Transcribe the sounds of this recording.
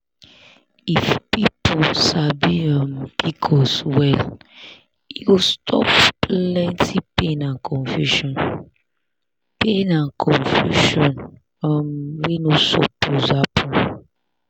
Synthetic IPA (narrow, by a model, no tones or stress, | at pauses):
ifpipusabiamikʰɔswɛl | iwistʰɔ̰ppllɛ̃ntʰipenãnkʰɔ̃nfjuʃɔ̃n | penãnkʰɔ̃nfjṵʃɔ̃n | ɔmwenosɔ̰pʰozapʰɔ̃